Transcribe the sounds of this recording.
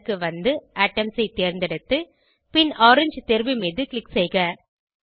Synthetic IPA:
kːɯʋɐnd̪ɯʔaːʈːɐmsɐɪt̪ːeːɾnd̪ɪɽɯt̪ːɯ | pɪnoːɾɪɲd͡ʒt̪ɛɾbɯmiːðɯkɭɪksɛjɣɐ

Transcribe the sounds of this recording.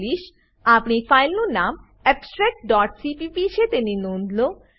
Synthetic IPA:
liʃ | apnifajlnonam | ɛpsʈɾɛk̚ɖɔʈsipipiʃet̪eninond̪lo

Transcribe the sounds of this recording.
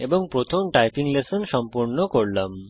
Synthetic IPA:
eboŋpɾot̪ʰomʈajpiŋlesonʃɔmpuɾnokoɾlam

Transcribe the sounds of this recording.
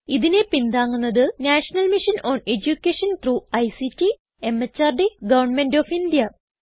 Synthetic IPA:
iðinepind̪aːŋːunːɐðɨnaːʂɐnɐlmiʂɐnoːned͡ʑukʲːeːʂɐnt̪ruːɐjsitːi | emːɐt͡ɕːaːrɖiɡɐʋɐrnmenɖoːfind̪ijɐ

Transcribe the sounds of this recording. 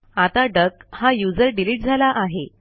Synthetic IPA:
at̪aɖəkhajud͡zəɾɖiliːʈ̚d͡zʱalaʔaɦe

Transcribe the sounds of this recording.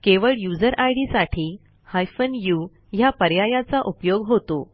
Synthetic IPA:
keʋəɭjud͡zəɾʔajɽisaʈʰiː | hajfənju | japəɾjajat͡saʔupjoɡɦot̪o

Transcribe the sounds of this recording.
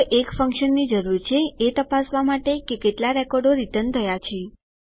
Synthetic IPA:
ʔekfəŋkʃənːid͡ʒəɾuɾt͡ʃʰeet̪əpasʋamaʈekekeʈlaɾɛkɔɾɖoɾiʈ̪ənt̪ʰəjat͡ʃʰe

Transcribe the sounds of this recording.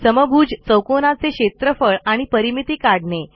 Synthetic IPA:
səməbʱuːd͡ʑt͡səwkonat͡seɕet̪ɾəfəɭaɽ̃ipəɾimit̪iːkaɽɳe

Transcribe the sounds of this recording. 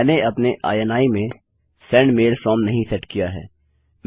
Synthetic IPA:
neɐpneʔa̰ːjɛnaːimẽ | sɛ̃ːɳɖmeːlfɾɔːmnɐɦĩsɛʈkijaɦɛ̰ː | m

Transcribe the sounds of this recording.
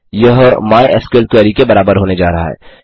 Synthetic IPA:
jɐɦmaːeʔɛskeːl̚kwɛːɾikebɐɾaːbəɾɦoːned͡ʒaːɾɐɦa̰ɦɛ̰ː

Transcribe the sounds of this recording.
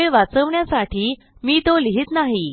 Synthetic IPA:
eʋat͡səʋɳjasaʈʰiː | miːt̪oliɦit̪naɦi

